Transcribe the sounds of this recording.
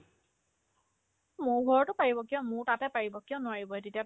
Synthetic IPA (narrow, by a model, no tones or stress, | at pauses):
mʊɹɡʱɔɹɔtʊpaɹibɔkiɔ̃mʊɹtatɛpaɹibɔkiɔ̃nʊwaɹibɔɛtetia